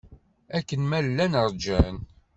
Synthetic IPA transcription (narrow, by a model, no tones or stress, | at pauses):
ækːənmællːænəɾˤd͡ʒæn